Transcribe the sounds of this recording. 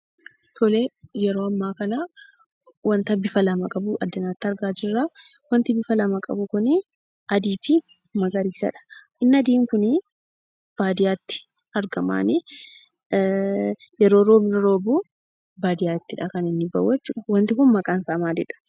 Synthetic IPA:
t̪ʰɔlejɛɾo̞ːɐmːaːkɐna | wɐnt̪ɐbɪfɐlɐmɐkʼɐbʊʔɐ̰d̪ːɐnaːt̪ːɐɾɡaːd͡ʒɪrːa | wɐnt̪ɪbɪfɐlɐmɐkʼɐ̰bʊkʊnɪ | ɐd̪iːfɪ | mɐɡɐɾiːsɐ̰ᶑɐ̥ | ɪnːɐd̪iːŋkʊnɪ | b̥aːd̪ɪjaːt̪ːɪ̥ | ɐɾɡɐma̰ːnɪ | jɛɾoːɾoːmɪɾɐɾo̞ːbuː | baːd̪ɪjaːɪt̪ːɪᶑaːkɐnɪnːɪbɐ̰wːɛt͡ʃːʊᶑɐwɐnt̪ɪkʊnmɐkʼaːnsaːmaːd͡ʒɛᶑɐ̥

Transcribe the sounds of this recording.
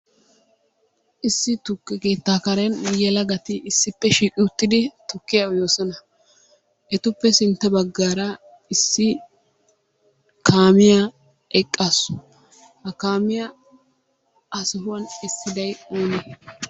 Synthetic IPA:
ʔɪsːɪt̪ʊkːɛkeːt̪ːaːkɐɾɛnjɛlɐɡɐt̪ɪʔɪsːɪpːɛʃiːkʼɪʊt̪ːɪd̪ɪt̪ʊkːɪjawjo̞ːsɔnɐ | ʔɛt̪ʊpːɛsɪnt̪ːɛbɐɡːaːɾɐ | ɪsːɪ | kaːmɪja | ʔɛkʼːasʊ̥ | hɐkaːmɪjɐ | ɐsʊɦʊwɐnɪsːɪd̪ɐjoːnɛ

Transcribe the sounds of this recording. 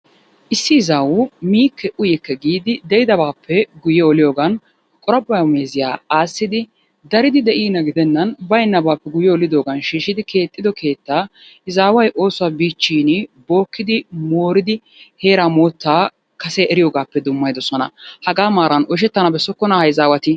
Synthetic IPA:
ʔɪsːɪːzaːwʊmiːkʰːɛʔʊjɛkːɛɡiːd̪ɪd̪ɛʔɪd̪ɐbaːpʰːɛɡʊjɛɔlɪjoːɡɐn | kʼɔɾɐbːɐjɐmeːzɪjaːaːsːɪd̪ɪ | d̪ɐɾɪd̪ɪd̪ɛʔiːnɐɡɪd̪ɛnːɐnbɐjnːɐbaːpːɛɡʊjɛːlɪd̪o̞ːɡɐnʃiːʃɪd̪ɪkʰe̞ːt̪ʼːɪd̪ɔke̞ːt̪ːaː | ɪzaːwɐjʔo̞ːsʊwaːbiːt͡ʃːiːnbo̞ːkːɪd̪ɪmo̞ːɾɪd̪ɪ | he̞ːɾamoːt̪ːaː | kɐsɛɛɾɪjo̞ːɡaːpːɛd̪ʊmːɐjd̪ɔsɔnɐ̰hɐɡaːmaːɾɐnɔʃ̬ɛt̪ːɐnɐbɛsːɔkːɔnahɐjzaːwɐt̪ɪ

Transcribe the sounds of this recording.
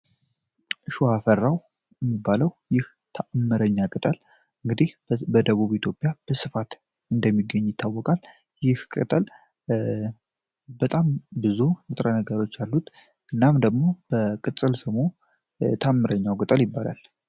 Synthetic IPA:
ʔʃuafərːaw | jɛmːibːaləwjɪh | t̪ʰaʔmːɨɾəɲːakʼɨt̪ʼəl | ɨŋɡɨd̪ihbəd̪əβuβit̪ʰjo̞pʼjab̥əsɨfat̪ | ɨnd̪əmːiɡːəɲːjɪt̪ʰːawːɔkʼal | jɪhkʼɨt̪ʼəl | bət̪ʼambɨzuɨt̪ʼɾənəɡəɾo̞t͡ʃːjalːut̪ | ʔɨnːamd̪əɡmo̞b̥əkʼɨt̪ʼɨlsəmo | t̪ʰamːɨɾʔəɲːawkʼɨt̪ʼəljɪbːala̰l

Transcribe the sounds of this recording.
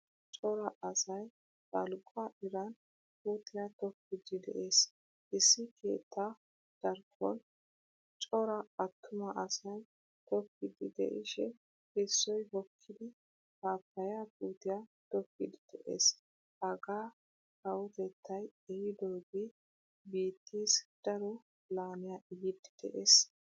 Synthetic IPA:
t͡ʃʼɔɾɐʔɐsɐj | bɐ̰lkʼʊɐʔɪɾɐn | kuːt̪ɪjat̪ɔkːɪd̪ɪd̪ɛ̰ʔe̞ːs | ʔɪsːɪkʰe̞̰ːt̪ʰːa | d̪̥ɐɾkʰːɔ̰n | t͡ʃʼɔɾɐɐt̪ʰːʊmɐʔɐsɐj | t̪ɔkːɪd̪ɪd̪ɛ̰ʔɪʃɛ | ɛsːɔjhɔkʰːɪd̪ɪ | kaːpːɐjakʼuːt̪ɪjat̪ɔkːɪd̪ɪd̪̥ɛʔḛːs | hɐɡaː | kɐwʊt̪ɛt̪ʰːɐjɛjɪd̪oːɡe | biːt̪ːiːsd̪̥ɐɾɔ | laːnɪjaʔɪjɪd̪ɪd̪̥ɛ̰ʔeːs

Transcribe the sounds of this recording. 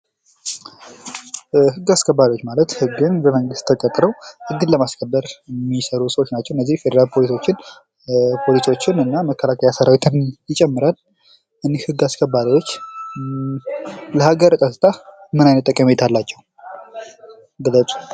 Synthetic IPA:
hɨɡːaskʰəbːad̪ijwo̞t͡ʃːmalət̪hɨɡːɨnbəməŋɡɨst̪ʰːəkʼət̪ʼɾəwʔɨd̪ːɨlləmaskʰəbːəɾjmːisəɾusəwot͡ʃːnat͡ʃːɛwɨnːəzːihfe̞d̪əɾalpʰo̞liso̞t͡ʃːɪn | pʰo̞liso̞t͡ʃːɪnɨnːaməkʰːəlakʰəjasəɾawit̪ʰɨnjɪt͡ʃʼɛmːɨɾal | ʔɨnːehhɨɡːaskʰəbaɾiwo̞t͡ʃː | ləhaɡəɾt̪ʼət̪ʼːɨt̪ʰamɨnajnət̪ʼːəkʼːəmjet̪ʰalːat͡ʃːɛwu | ɡɨlːət͡sʼu̥

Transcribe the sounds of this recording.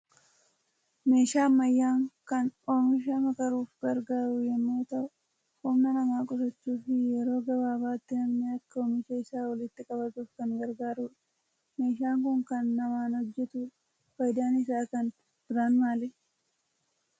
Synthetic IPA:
me̞ːʃaːmːɐjːaːŋkɐnoːmɪʃ̬ɐmɐkɐɾuːfɡɐɾɡaːɾʊjɛmːoːt̪ɐʔʊ | hʊmnɐnɐmaːkʼɔsɐt͡ʃːuːfɪjɛɾo̞ːɡɐbaːbaːt̪ːɪnɐmnɪɐkːɐoːmɪʃɐɪsaːwɐlɪt̪ːɪkʼɐbɐt̪uːfkɐŋɡɐɾɡaːɾuːᶑɐ̥ | me̞ːʃ̬aːŋkʊŋkɐnːɐmaːnhɔd͡ʒːɛt̪ʊᶑ | fɐjd̪aːnɪsaːkɐn | bɪɾaːnmaːlɪ

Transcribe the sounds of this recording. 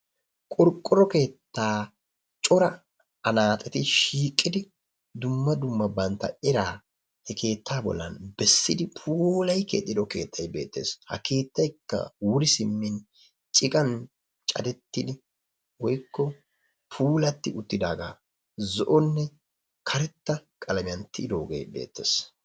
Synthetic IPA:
kʼɔɾkʼːɔɾɔke̞ːt̪ːaː | t͡ʃʼɔɾɐ | ɐnaːt̪ʼɛt̪ɪʃiːkʼːɪd̪ɪ | d̪ʊmːɐd̪ʊmːɐbɐnt̪ːɐ̰ɪɾaː | hɛkʰe̞ːt̪ːaːbɔ̰lːɐnbɛsːɪd̪ɪpʰuːlɐjkḛːt̪ʼːɪd̪ɔke̞̰ːt̪ʰːɐjbe̞̰ːt̪ːe̞̰ːshɐ̰ke̞ːt̪ːɐjkːɐ̰wʊɾɪsɪmːɪn | t͡ʃʼɪkʼɐn | t͡ʃʼɐd̪ɛt̪ːɪd̪ɪ | wɔjkːɔ | pʰuːlɐt̪ːɪʔʊt̪ːɪd̪aːɡa̰ː | zɔʔɔnːɛ | kʰɐɾɛt̪ːɐkʼɐlɐmɪjɐnt̪ʰɪɪd̪oːɡḛjbe̞̰ːt̪ːe̞̰ːs

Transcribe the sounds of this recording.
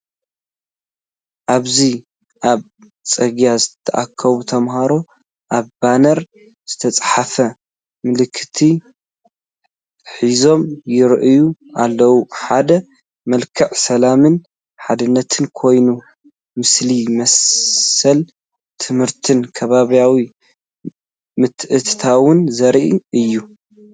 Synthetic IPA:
ʔaβzi | ʔaβ | t͡sʼɐɡjazɨt̪ʰːɐʔakʰːɐβut̪ʰɐmhaɾo | ʔaβbanɐɾ | z̥ɨt̪ʰɐt͡sʼħafɐ | mɨlɨkʰːɨt̪ʰi | ħizo̞mjɪɾʔɨjuʔalːɐwuħad̪ɐ | mɐlkʰɨʕsɐlamɨn | ħad̪ɨnːɐt̪ʰɨnkʰo̞jnu | mɨslimɐsː | ɐl | t̪ʰɨmhɨɾt̪ʰɨnkʰɐβaβjawi | mɨt̪ʰːʔɨt̪ʰt̪ʰawʊnzɐɾʔiɨjːu

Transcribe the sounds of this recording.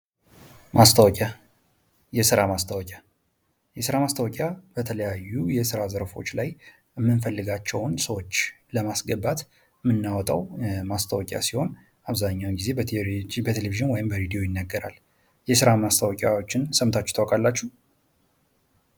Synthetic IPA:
mast̪ʰəwɔkʼa | jɛsɨɾamast̪ʰəwɔkʼja | jɛsɨɾamast̪ʰəwɔkʼjab̥ət̪ʰələjajːujɛsɨɾazəɾfo̞̰t͡ʃːlaj | əmːɨnfəlːɨɡat͡ʃːɛwnsəwo̞t͡ʃː | ləmasɡəbat̪ | ɨmːɨnːawɔt̪ʼəwmast̪ʰəwɔkʼja̰siho̞n | aβzaɲːawnɡize̞bəbət̪ʰeleviʒɨnwɔjɪmbəɾed̪ijo̞jɪnːəɡːəɾa̰l | jɛsɨɾamast̪ʰəwɔkʼjawot͡ʃːɪnsəmt̪ʰat͡ʃːt̪ʰəwɔkʼalːat͡ʃːuh

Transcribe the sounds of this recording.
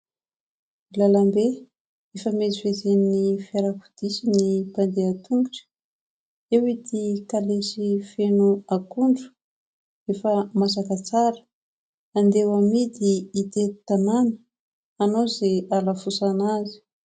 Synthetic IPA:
ilalambe | efəmezifezennifaɾaku̥d̪̥isinipand̪eat̪uŋuʈ͡ʂə̥ | ewid̪ikalesifenuakuɳɖ͡ʐu̥ | efəmas̬akət͡saɾə̥ | and̪ewamid̪iːt̪ek̪u̥t̪ananə̥ | anozeʔalafusanazi̥

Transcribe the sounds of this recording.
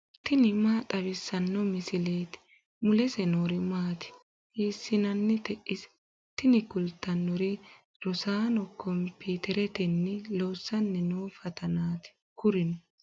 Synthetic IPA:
t̪ɪnɪmaːt̪ʼɐβɪsːɐnːɔmɪsɪle̞ːt̪ɪ̥ | mʊlɛsɛnoːɾɪmaːt̪ɪ̥ | hiːsːɪnɐnːɪt̪ɛʔɪs | t̪ɪnɪkʊlt̪ːɐnːɔɾɪ | ɾɔsaːnɔkʰːɔmpʰiːt̪ɛɾɛt̪ɛnːɪloːsːɐnːɛnoːfɐt̪ʰɐnaːt̪ɪ̥ | kʊɾɪnɔ

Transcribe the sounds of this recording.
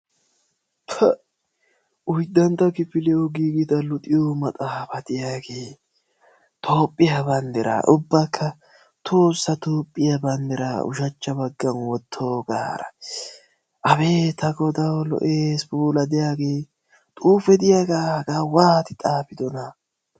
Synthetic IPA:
t̪ʰɐ | ʊjd̪ɐnt̪ːɐkɪfɪlɛɔɡiːɡɪd̪ɐlʊt̪ʼɪjomɐt̪ʼaːfɐt̪ɪjaːɡeː | t̪ʰo̞ːpʼːɪjɐbɐnd̪ɛɾa̰ːʔʊbːɐkʰːɐ | t̪ʰoːsːɐt̪oːpʼːɪjɐbɐnd̪ɛɾa̰ʊ̰ʃɐt͡ʃːɐbɐɡːɐnwɔt̪ʰːoːɡa̰ːɾɐ̰ | ʔɐbe̞ːt̪ʰɐɡɔd̪ɐwlɔ̰ʔeːsbuːlɐd̪ɛjaːɡe̞ː | t̪ʼuːfɛd̪ɪjaːɡaːɡaːwaːt̪ɪt̪ʼaːpɪd̪ɔnɐ

